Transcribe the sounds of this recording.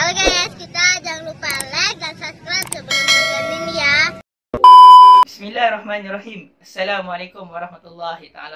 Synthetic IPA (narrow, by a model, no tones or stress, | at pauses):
alɡajaskit̪ad͡ʒaŋlupaladansask̪ɾatsəbəlamaɡadundia | bismilːaːhrɑhmaːnrɑɦiːm | asːalaːmualekʊmwaɾˤɑhmat̪ulːɑɦit̪aa̰la